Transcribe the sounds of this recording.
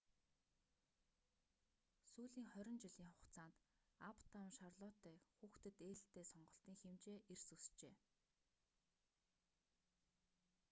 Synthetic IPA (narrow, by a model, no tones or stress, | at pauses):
suːɮiːŋχœɾʲɪ̆nt͡ɕiɮiːŋχʊqt͡saːnt̪ | apʰt̪ʰawnʃarɮʊːt̪æːxuːxt̪ɘ̆t̪eːɮ̆ɬt̪eːsɔɴɢɞ̆ɬt̪iːŋxemt͡ɕeːʔersust͡ɕeː